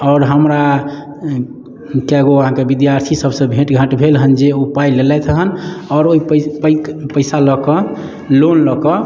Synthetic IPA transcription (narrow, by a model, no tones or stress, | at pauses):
ɔʊɾɦəmɾa | keaɡoəɦãkebid̪jaɾt̪ʰisəbsə̃bʱeʈɡʱãʈbʱelɦənd͡ʒeupajlelɛt̪ʰəɦənɔɾoippəkpəɪsalɔkɔ | lonlɔkɔ